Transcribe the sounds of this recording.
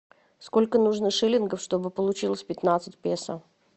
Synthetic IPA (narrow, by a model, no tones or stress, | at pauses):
sko̞lʲkənuʐnɨʂɨlʲɪnɡəfʂt̪o̞bɨpəlˠʊt͡ɕilˠəsʲpʲɪt̪nat̪sɨtʲpʲesə